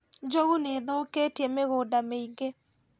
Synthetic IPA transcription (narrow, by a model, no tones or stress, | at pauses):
d͡ʒoɣuneðoketiɛmeɣoːdameiŋɡe